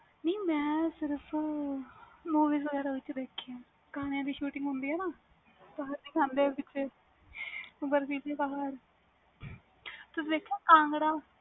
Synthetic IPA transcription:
niːmɛ̃ːsɪɾəpʰ | moːʋiːs̬ʋəɡɛːɾaːʋɪt͡ʃd̪eːkʰːejãː | kaːnejãːd̪iːʃuːʈɪŋɡɦʊnd̪iːɦɛːnaː | taɦəɾd̪iːkʰãːnd̪eːpɪt͡ʃʰːeː | bəɾsiːseːbaɦəɾ | t̪ʊsiːd̪eːkʰːjãːkãːŋɡɽaː

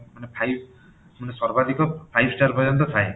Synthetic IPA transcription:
manepʰajb | manesaɾbad̪ikɔpʰajbsʈaɾpɔjɔnt̪ɔt̪ʰae

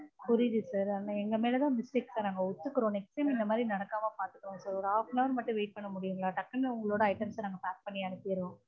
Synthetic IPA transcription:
pʊɾɪðɯsaːɾanːaɛŋɡɐmeːlɐt̪ãːmɪsʈeːksanaːŋɡɐʊt̪ːɯkːɯɾõːnɛkseːmɪnd̪ɐmaːd̪ɾinɐɽɐkːaːmãːpaːɾt̪ɯkːɯɾõːsaɾɔɾɯaːfnɐʋɐɾmɐʈːʊ̃ʋeːʈ̚pɐɳːɐmʊɽɪjɯŋɡɐɭaːʈɐkːɐnːʊŋɡɐɭoːɽɐɐɪʈɐmsnaːŋɡɐpaːk̚pɐɳːɪjaːnɐt̪ːeːɾõː

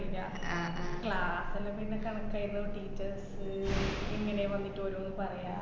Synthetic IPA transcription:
iɲːa | akɭaːsɐleminːekɐɳɐkːaːjiɾunːɐoɾuʈiːt͡ɕːɐrsɨinːineʋɐnːiʈːoɾumenːɨpɐrɐjaː

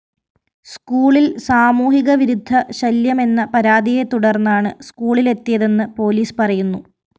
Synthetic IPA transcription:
skuːɭilsaːmuːɦiɣɐʋiɾud̪ʱːɐɕɐljɐme̞nːɐpɐɾaːd̪ije̞t̪uɽɐrnːaːɳɨskuːɭile̞t̪ːijɐðe̞nːɨpo̞ːliːspɐrɐjunːu

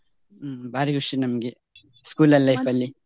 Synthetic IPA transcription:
baːɾiɡuʂinɐmɐɡe | skuːlɐlːɐjfɐlːi

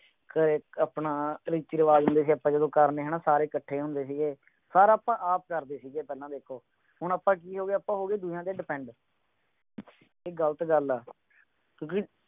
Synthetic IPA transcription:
kəɾeːəpnãːɾiːt͡ʃiːɾəʋaːd͡ʒɦʊ̃nd̪eːs̬iːapːãːd͡ʒəd̪õːkəɾneːɦəɳaːsaːɾeːkəʈʰːeːɦʊ̃nd̪eːs̬iːɡeː | saːɾaːpãːʔaːp̚kəɾd̪eːsiːɡeːpɛːlãːd̪eːkʰːoː | hʊɳ̃aːpãːk̬iːɦoːɡeːapãːɦoːɡeːd̪ʊjãːd̪eːɖɪpɛ̃ːɳɖ | eːɡəlt̪ɡəlɛː | kjõːk̬ɪ

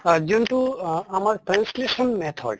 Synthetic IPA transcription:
d͡ʒinʈuamaɾʈɾãnslesɔnmɛt̪ʰɔ̰ɖ

